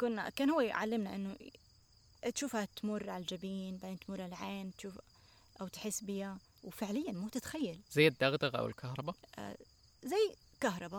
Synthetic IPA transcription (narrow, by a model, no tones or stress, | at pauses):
kʊnːa̰kaːnhʊwːejʕa̰lːɪmnaʔɪnːʊ | t̪ʃuːfhat̪mʊrˤːʕald͡ʒabiːnbaʕd̪eːnt̪mʊrˤʕalʕeːnt̪ʃuːf | ʔawt̪ħɪsːbɪja | wfɪʕlɪjːanmuːt̪ɪt̪xajːalzajːɪd̪ːaɣd̪ɑɣʔa̰wɪ̰lkʰahɾˤɑbaʔ | zajː | kaɦɾˤɑba